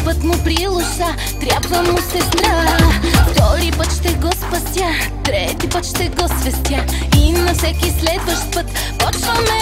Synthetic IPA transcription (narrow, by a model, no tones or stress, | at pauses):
pət̪mʊpɾilˠʊʃa | t̪ɾʲabvɐmusɛsɾaft̪ɔɾipət̪ʃt̪ɛɡɔspɐst̪ʲja | t̪ɾɛt̪ipət̪ʃt̪ɛɡɔsvɛst̪ʲja | inɐfsɛkʲislɛd̪vɐʃt̪pət̪ | pɔt͡ʃvəmɛ